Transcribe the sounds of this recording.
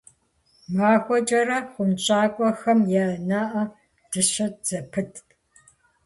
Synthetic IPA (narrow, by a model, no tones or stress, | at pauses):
maːxʷɔt͡ʃʼɐrɐχʷʊmt͡ʃʼaːkʷʼɔxɐmjaːnaːʔɐ | d̥ɨɕɐd͡z̥ɐpʰɨtʰ